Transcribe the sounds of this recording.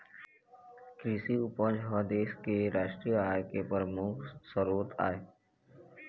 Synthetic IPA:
kɾisiʊpə̃d͡ʒɦɔd̪eːskeɾaːʃʈɾijəajkepəɾmuksəɾuːɾt̪a̰ːe

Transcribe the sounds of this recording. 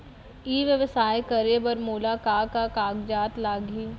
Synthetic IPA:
iːʋjəʋsaːjkɐɾebəɾmoːlaːkaːkakaːɡd͡ʒaːt̪laːɡiː

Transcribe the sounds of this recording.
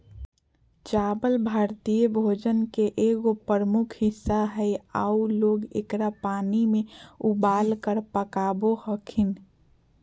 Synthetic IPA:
t͡ʃaːbəlbʱaːɾt̪ijəbʱoːd͡ʒənkeʔeːɡopəɾəmʊkʰɦɪsːaɦɛja̰ːuloːɡḛkɾapaːnimẽubaːlkəɾpəkaːbohəkʰɪn

